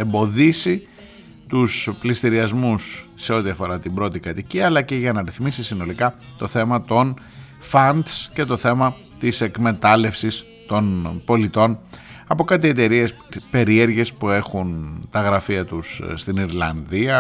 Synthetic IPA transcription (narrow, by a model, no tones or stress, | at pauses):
e̞mbo̞ðisi | t̪usplist̪iɾiɐzmusːe̞o̞t̪iɐfo̞ɾɐt̪ibɾo̞t̪ikɐt̪iciɐlɐce̞ʝɐnɐɾiθmisisino̞likɐ | t̪o̞θe̞mɐt̪o̞n | fɐnd̪sce̞t̪o̞θe̞mɐ | t̪ise̞kme̞t̪ɐle̞fsis | t̪o̞npo̞lit̪o̞nɐpo̞kɐt̪ie̞t̪e̞ɾie̞s | pe̞ɾie̞ɾʝe̞spue̞xunt̪ɐɣɾɐfiɐt̪usst̪iniɾlɐnðiɐ